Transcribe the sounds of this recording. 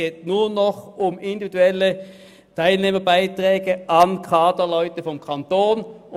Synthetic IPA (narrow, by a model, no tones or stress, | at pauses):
eːtnuːnɔχʊmɪndividuɛlə | tʰaɪlneːmɐbaɪtʁɛːɡəʔɑnkʰɑːtɐlɔʏtəfɔmkʰɑntoːn